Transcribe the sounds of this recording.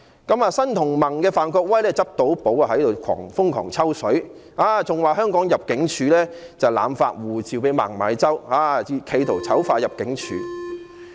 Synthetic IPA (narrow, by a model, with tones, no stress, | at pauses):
kɐ˨˥maː˨sɐ˥nt̪ʰʊ˨˩ŋmɐ˨˩ŋkɛː˧faː˨nkɔː˧k̚wɐ˥jlɛː˥t͡sɐ˥p̚t̪o˨˥wpo˨˥wa˨˧ɦɐ˨˥jt̪o˨wkʰɔ̰ː˨˩ŋfʊ˥ŋkʰɔ̰ː˨˩ŋt͡sʰɐ˥wsɵ˨˥ɥ | aː˨˧t͡sʊ˨ŋwaː˨˧ɦœː˥ŋkɔː˨˥ŋjɐ˨p̚kɪ˨˥ŋt͡ʃʰyː˨˧lɛː˥t͡sɐ˨wla̰ː˨˧mfa̰ː˧t̚wuː˨˩t͡siː˨wpe˨˥ma̰ː˨˩ŋmaː˨˥jt͡sɐ˥whaː˨˧i˧kʰe˨˧jt̪ʰo˨˩wt͡sʰɐ˨˥wfaː˧jɐ˨p̚kɪ˨˥ŋt͡ʃʰy̰ː˨˧